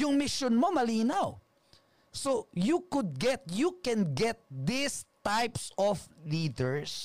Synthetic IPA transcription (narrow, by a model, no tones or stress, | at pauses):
jʊŋmɪʃonmo̞mɐliːnaw | sojukʊd̪̚ɡɛt̪̚jukɛ̃nɡɛt̪̚d̪ɪst̪ajpsɔfliːd̪ɛɹs